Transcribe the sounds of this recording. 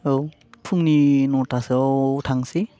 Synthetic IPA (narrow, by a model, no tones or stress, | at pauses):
ow | pʰuŋninɔtʰasowtʰaŋsi